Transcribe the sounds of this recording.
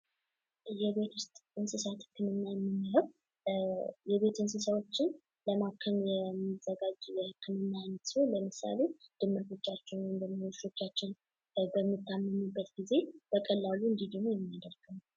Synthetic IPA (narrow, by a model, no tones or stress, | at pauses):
jɛβe̞t̪ʰwʊst̪ʼɨnsɨsat̪ʰɨ̥kːɨnɨnːajɛmːɨnːɨhəw | jɛβe̞t̪ɨnsɨsəwo̞t͡ʃːɪn | ləmakʰːənjɛmːizəɡad͡ʒjɛhɨkʰːɨnɨnːanət̪siholəmɨsa̰le̞d̪̥ɨmːɨɾt̪ʰo̞t͡ʃːat͡ʃːɪnwɔjmd̪əmoɨst̪o̞t͡ʃːat͡ʃːɪn | bəmːit̪ʰːamːəmubːət̪ɡize̞b̥əkʼəlːaluɨnd̪id̪əmojɛmːijad̪əɾɡ̥əm